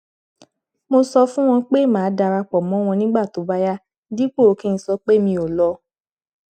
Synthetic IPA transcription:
mo˧sɔ˧fũ˦w̃ɔ̃˧k͡pe˦˨mãː˨˦da˧ɾa˧k͡pɔ˨mɔ̃˨˦w̃ɔ̃˧nĩ˦ɡ͡ba˦˨to˨˦ba˧˦ja˦ | di˦k͡po˦˨o˨˦ki˦n̩˧˦sɔ˧˦k͡pe˦mĩ˧o˨lɔ˧

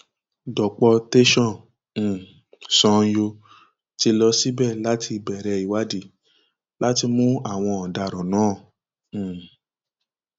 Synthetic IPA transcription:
dɔ˨k͡pɔ˧te˦ʃɔ̃˦˨ | sɔ̃˧jo˧ | ti˧lɔ˧si˦bɛ˦˨la˨˦tʰi˧˨bɛ˨ɾɛ˧i˨wa˨˦di˦˨ | la˦ti˧mũ˦a˦˨w̃ɔ̃˧ɔ˨da˧˨ɾɔ̃˨nãː˨˦˨

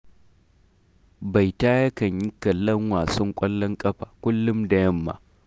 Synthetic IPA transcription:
ba˨jtaː˦jɐ˦kɐ˨ɲji˦kɐ˨lːɐ˦ŋwaː˨sɔ˦ŋkʷʼɐ˦lːɐ˦ŋkʼɐ˦ɸaː˨kʷʊ˦lːʊ˦mda˨jɐ˦mːa̰ː˨

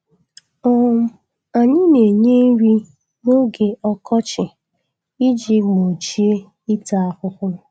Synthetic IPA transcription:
ɔ˦m̩˦˨ | a˨ɲɪ˦ne˨ɲe˦ɾi˦ | no˦ɡe˨ʔɔ˦kʰɔ˦t͡ʃɪ˨ | i˦d͡ʒi˦ɡ͡bo˨t͡ʃi˦e˦ | i˦ta˨a˦hʊ˦kʊ˦

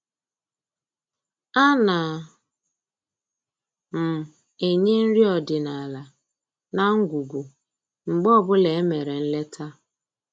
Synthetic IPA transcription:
a˦na˨ | m̩˨ | e˨ɲe˦n̩˦ɾi˦ɔ˨dɪ˨na˨la˨ | na˦ŋ̩˦ɡʷu˨ɡʷu˨ | ŋ͡m̩˨ɡ͡bɔ˦bʊ˦le˨e˦me˨ɾe˨n̩˦le˦tʰa˦

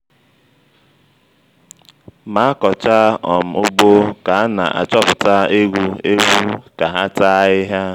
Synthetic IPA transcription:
ma˨˦a˦kɔ˨t͡ʃa˦ɔ˨m̩˨ʊ˦bo˦ka˨a˦na̰˨ʔa̰˨t͡ʃɔ˦pʊ˨ta˦e˦ɡʷu˦e˦ɡʷu˦ka˨ɦa˦ta˦ɪ˦ɦa˦

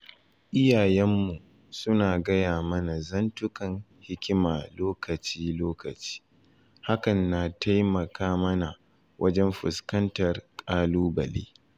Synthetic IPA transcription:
ʔɪ˦jaː˨jɛ˦mːu˨ | sʊ˦naː˨ɡɐ˦jaː˨mɐ˦na˨zɐ˦ntʊ˦kɐ˨ŋhɪ˦kʲɪ˦maː˨loː˦kɐ˨t͡ʃiː˦loː˦kɐ˨t͡ʃi̥ː˦ | ha˦kɐ˨nːa˨tʰa˦jmɐ˨kaː˦mɐ˦na˨ | wʔɐ˦d͡ʒɛ˦mɸʊ˨skɐ˦ntɐ˨rkʼaː˦luː˦bɐ̰˨lḛː˦

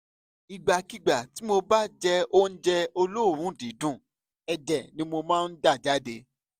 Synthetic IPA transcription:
i˨ɡ͡ba˨ki˨˧ɡ͡ba˨ti˨˦mo˧ba˦d͡ʒɛ˧o˦n̩˦d͡ʒɛ˧o˧lo˦˨ɾ̃ũ˦dĩ˨˦dũ˦˨ | ɛ˧d͡ʒɛ˨nĩ˦mo˧mãː˦˧n̩˦da˦˨d͡ʒa˦de˧

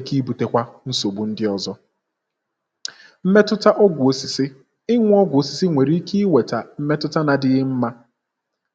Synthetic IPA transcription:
ki˦bu˨te˦kʷa˦n̩˦so˨ɡ͡bu˨n̩˦dɪ˦ɔ˨zɔ˦ | m̩˦me˦tʊ˦ta˦ʔɔ˦ɡʷʊ˨o˨si˨sɪ˦ | ɪ˦ŋʷʊ˦ɔ˦ɡʷo˨si̥˨si˦ŋʷe˨ɾi˦ki˦i˦we˨ta˨m̩˦me˦tʊ˦ta˦na˨dɪ˦ɣɪ˦m̩˦ma˦

